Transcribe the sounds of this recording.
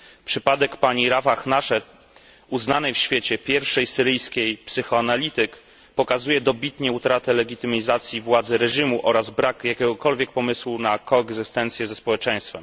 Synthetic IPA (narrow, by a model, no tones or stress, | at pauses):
pʂɘpad̪ɛkpaɲiɾavaxnaʂɛt̪ | uznanɛjfɕfʲjet͡ɕɛpʲjɛɾfʂɛjsɘɾɘjskʲejpsɘxɔanalʲit̪ɘk | pɔkazujɛd̪ɔbʲit̪ɲɛut̪ɾat̪ɛlɛɡʲit̪ɘmʲizat̪sʲjivwad̪zɛɾɛʐimuʔɔɾazbɾakjakʲɛɡɔkɔlvʲjɛk̚pɔmɘswunakɔɛɡzɘst̪ɛnt̪sʲjɛzɛspɔwɛt͡ʂɛ̃j̃st̪fɛm